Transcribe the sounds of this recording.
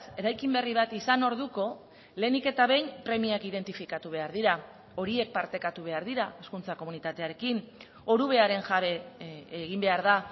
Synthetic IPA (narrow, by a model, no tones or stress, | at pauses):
se̞ɾajkimbe̞riβ̞at̪isano̞ɾðuko̞ | le̞ːnike̞t̪aβe̞jnpɾe̞miakið̞e̞nt̪ifikat̪uβ̞e̞aɾðiɾa | o̞ɾie̞k̚paɾt̪e̞kat̪uβ̞e̞aɾðiɾae̞skunt͡sako̞munit̪at̪e̞aɾe̞kin | o̞ɾuβ̞e̞aɾe̞nʝaβe̞ːɣimbe̞aɾða